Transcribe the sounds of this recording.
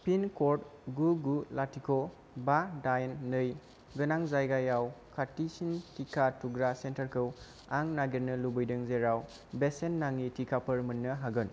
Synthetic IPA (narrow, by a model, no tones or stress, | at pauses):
pʰinkoɾt̚ɡuɡulatikʰo | badajnːɯj | ɡɯnaŋzajɡajawkʰatisintikʰatuɡɾasentəɾkʰɯw | aŋnaɡiɾnɯlubɯjdɯŋzeɾaw | besenːaŋːitʰikʰapʰəɾmɯnːɯɦaɡɯn